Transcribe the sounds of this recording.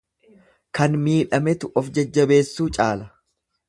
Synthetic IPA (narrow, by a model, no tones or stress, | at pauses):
kɐnmiːᶑɐmɛt̪ʊʔɔfd͡ʒɐd͡ʒːɐbe̞ːsːuːt͡ʃʼaːlɐ